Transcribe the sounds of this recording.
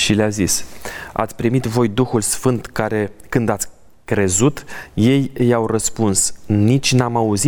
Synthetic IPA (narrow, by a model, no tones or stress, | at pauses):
ʃileazisa̰t̪sʲpɾimit̪vo̞jd̪uxulsfɨnt̪kaɾe̞kɨnd̪at̪sʲ | kɾe̞zut̪je̞jɨjawrəspunsnit͡ʃʲnamauzi